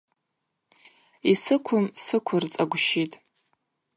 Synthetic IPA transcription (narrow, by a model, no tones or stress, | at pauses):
isɨkʷʰʊmsɨkʷʰʊrt͡sʼaɡʷʃitʼ